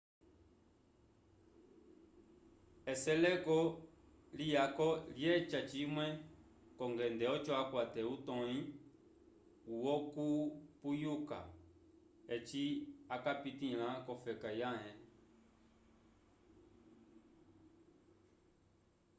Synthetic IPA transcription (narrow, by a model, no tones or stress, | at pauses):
ɛsɛlɛkɔ | lijakɔljɛt͡ʃat͡ʃimwɛ | kɔŋɡɛndɛɔt͡ʃɔakwatɛutɔĩ | uwɔkupujuka̰ | ɛt͡ʃiakapitilãkɔfɛkajaɦɛ̃